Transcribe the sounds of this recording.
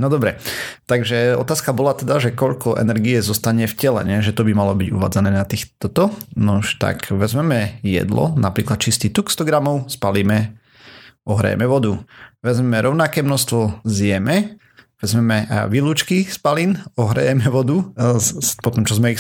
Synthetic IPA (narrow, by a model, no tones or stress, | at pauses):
nɔd̪ɔbɾɛt̪aɡʒɛɔ̰t̪aːskabɔlat̪ɛd̪aʒɛkɔʎkɔʔɛ̰nɛɾɡiɛzɔst̪aɲɛfcɛlɛ̰ɲɛʒɛt̪ɔbimalɔbiɟṵʋa̰ːd͡zanɛːnat̪iːxt̪ɔt̪ɔnuʃt̪a̰kʋɛzmɛmɛjɛ̰d̪lɔ̰napɾiːklat̪t͡ʃist̪iːt̪ukst̪ɔɡɾamɔʊspaliːmɛ | ɔɦɾa̰jɛ̰mɛʋɔd̪uʋɛzmɛmɛɾɔʊnakɛːmnɔst̪ʋɔzɪɛmɛ | ʋɛzmɛmɛʋiluːt͡ʃkispalinɔɦɾa̰jɛmɛʋɔd̪u | pɔt̪ɔmt͡ʃɔzmɛi